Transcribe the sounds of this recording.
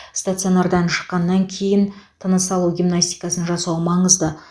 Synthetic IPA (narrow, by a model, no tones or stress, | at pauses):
st̪at̪sɨo̞naɾd̪ɑnʃə̥qːɑnːɑŋkʲʰe̞jɪnt̪ʰənəsɑlˠuɡʲimnasʲt̪ʲijkɑsənʒɑsɑwəmɑɴəzd̪ə